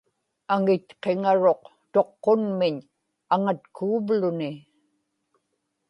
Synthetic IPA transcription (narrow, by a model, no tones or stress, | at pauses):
aŋɪt̪qe̞ŋaɻo̞q | t̪o̞qːonmɪɲ | aŋat̪kʰuːvlʊnɪ